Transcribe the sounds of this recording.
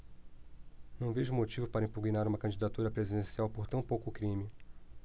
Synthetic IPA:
nɐ̃w̃veʒʊmot͡ʃivʊpaɾɐĩpuɡinaɾũmɐkɐ̃nd͡ʒid̪at̪uɾɐpɾezid̪ẽsiawpoɾt̪ɐ̃w̃powkʊkɾĩmɪ

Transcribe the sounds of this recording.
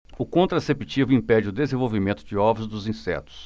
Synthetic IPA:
ʊkõnt̪ɾasepit͡ʃivʊĩpɛd͡ʒɪʊd̪ezẽvowvimẽnt̪ʊd͡ʒɪɔvɾɐzd̪ʊzĩsɛ̰t̪ʊ̥s

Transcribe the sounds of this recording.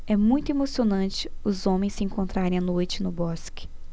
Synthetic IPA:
ɛmũj̃t̪ʊemosionɐ̃nt͡ʃɪʊzõmẽj̃sɪẽŋkõnt̪ɾaɾẽj̃ɐnojt͡ʃɪnʊbɔskɪ̥

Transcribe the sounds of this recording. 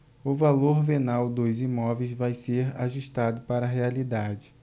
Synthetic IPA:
ʊvaloɾvenawd̪ʊzimɔvejzvajseɾa̰ʒuʃt̪ad̪ʊpaɾɐːɦealid̪ad͡ʒɪ

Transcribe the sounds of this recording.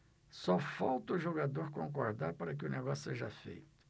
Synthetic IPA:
sɔfawt̪ɐʊʒoɡad̪oɾkõŋkoɾd̪aɾpaɾɐk̬ɪʊneɡɔsʊ̥seʒɐfḛjt̪ʊ̥

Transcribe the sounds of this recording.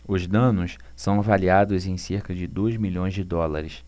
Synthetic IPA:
ʊzd̪ɐ̃nʊs | sɐ̃w̃avaliad̪ʊzẽj̃seɾkɐd͡ʒɪd̪ozmiʎõj̃zd͡ʒɪd̪ɔlaɾɪs

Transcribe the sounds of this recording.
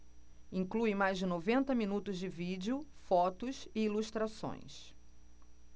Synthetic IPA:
ĩŋkluɪmajzd͡ʒɪnovẽnt̪ɐminut̪ʊzd͡ʒɪvid͡ʒʊfɔt̪ʊsɪiluʃt̪ɾasõ̰j̃s

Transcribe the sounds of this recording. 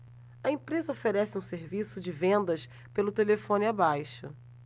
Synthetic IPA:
ɐẽpɾezɐofeɾɛsɪũseɾvisʊd͡ʒɪvẽnd̪ɐs | pelʊt̪elefõnɪabajʃʊ̰

